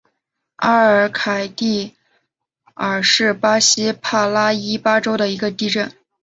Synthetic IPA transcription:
a˥ə˞˨˧˥kʰa˨˩ɪt̪i˥˩ | ə˞˨˩ʂɻ̩˥˩pa˥ɕi˥pʰa˥˩la˥i˥pa˥ʈ͡ʂo˥ʊd̪ə˨i˧˥ɡə˧t̪i˥˧ʈ͡ʂə˥˩n

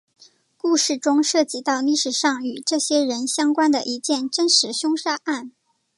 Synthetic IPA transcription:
ku˥˧ʂɻ̩˥˩ʈ͡ʂʊ˥ŋʂɤ˥˩t͡ɕi˧˥t̪ɑ˥˧ʊli˥˩ʂɻ̩˨˩ʂɑ˥˩ŋy˨˩ʈ͡ʂɤ˥˩ɕjɛ˥ɻə˧˥nɕjɑ˥ŋkwa˥nd̪ə̰˨ʔi˧˥t͡ɕjɛ˥˩nʈ͡ʂə˥nʂɻ̩˧˥ɕʊ˥ŋʂa˥ʔa˥˩n

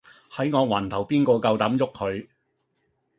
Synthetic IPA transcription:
hɐ˨˥jŋɔː˨˧wɐː˨˩nt̪ʰɐ˨˩wpiː˥nkɔː˧kɐ˧wt̪ɐ˨˥mjʊ˥k̚hʰɵ˨˧ɥ

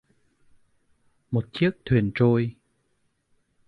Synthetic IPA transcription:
mo˨˩t̚t͡ɕi˦˥ək̚t̪ʰwi˨˩ənt͡ɕo˧j

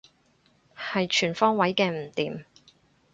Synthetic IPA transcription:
hɐ˨jt͡ʃʰyː˨˩nfɔː˥ŋwɐ˨˥jkɛː˧m̩˨˩t̪iː˨m

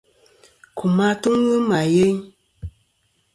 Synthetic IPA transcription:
ku˨ma˦tu˦ŋ˦wə˦ma˨je˦ɲ

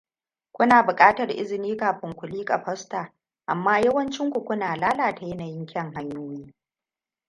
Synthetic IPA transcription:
kʷʊ˦naː˨bʊ˨kʼaː˦tɐ˨rʔɪ̰˦zɪ˨niː˦kaː˨ɸɪ˦ŋkʷʊ˨liː˦kʼa˨ɸɐ˦staː˨ | ʔa˨mːaː˦jɐ˦wɐ˦nt͡ʃɪ˦ŋkʷu˨kʷʊ˦naː˨laː˦laː˨ta˨jɛ˦na˨jɪ˦ŋkʲʰɛ˦˨ŋɦa˦ɲjuː˦niː˦

